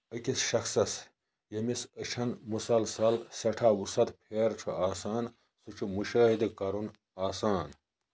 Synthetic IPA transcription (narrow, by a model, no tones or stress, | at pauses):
ɐkʲisʃɐxsɐs | jɐmisət͡ʃʰɐnmusɐlsɐlsɐʈʰaːwusɐt̪pʰeːɾt͡ʃʰṵaːsaːn | sut͡ʃʰumuʃaːɦid̪kɐɾun | aːsaːn